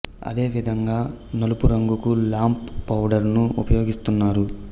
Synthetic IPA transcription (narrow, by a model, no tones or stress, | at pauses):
ɐ̰d̪e̞ːʋid̪ʱɐŋɡaːnɐlupuɾɐŋɡukulaːmpːɐwɖɐɾnuupɐjo̞ːɡist̪unːaːɾu